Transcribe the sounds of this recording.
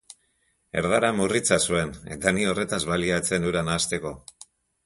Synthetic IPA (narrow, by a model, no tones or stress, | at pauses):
e̞̰ɾðaɾamurit͡sasue̞ne̞̰t̪anio̞re̞t̪azβaliat͡se̞nd̪uɾanaːst̪e̞ko̞